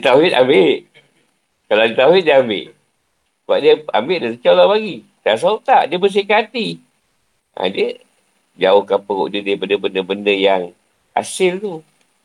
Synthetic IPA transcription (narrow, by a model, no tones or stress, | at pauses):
dit̪auɦɪt̪̚ambeʔ | kaladiət̪auɦɪt̪̚diəambɪ̰ʔ | səba̰ʔ̚diəa̰mbeʔdasət͡ʃawlabaɡi | t̪as̬aut̪aʔdiəbəs̬ikat̪i | ʔa̰diə | d͡ʒaohkanpəɣo̰ʔdiədaɾipədəbəndəbəndəjaŋ | a̰sɪlt̪u